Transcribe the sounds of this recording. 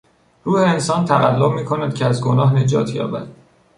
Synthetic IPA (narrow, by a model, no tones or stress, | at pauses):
ɾuːheːnsɒːnt̪ʰæɣælːob̚miːkʰo̞næd̪̥cʲʰeæzɡo̞nɒːɦne̞d͡ʒɒːt̪ʰjɒ̰ːbæ̰d̪̥